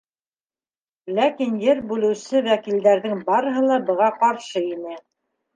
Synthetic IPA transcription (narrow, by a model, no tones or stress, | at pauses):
lækinjɘɾbʉlɘ̆wsɘwækild̪æɾðɘŋbɑɾɤ̆ɦɤ̆lˠɑbɤ̆ʁɑqɑɾʃɤinɘ